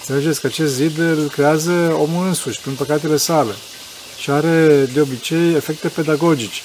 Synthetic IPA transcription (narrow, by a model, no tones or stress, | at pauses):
ɨnsele̞d͡ʒesʲkəat͡ʃe̞st̪zid̪ɨlkɾe̞azəo̞mulɨnsuʃʲpinpəkat̪e̞le̞sale̞̰ | ʃiaɾe̞d̪eo̞bit͡ʃe̞je̞fe̞k̚t̪e̞pe̞d̪aɡo̞d͡ʒit͡ʃe̥